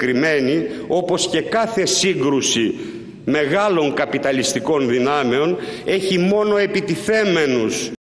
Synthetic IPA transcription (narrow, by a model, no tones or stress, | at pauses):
kɾime̞nio̞po̞sce̞kɐθe̞siɡɾusi | me̞ɣɐlo̞ŋkɐpit̪ɐlist̪iko̞nðinɐme̞o̞ne̞çimo̞no̞e̞pit̪iθe̞me̞nus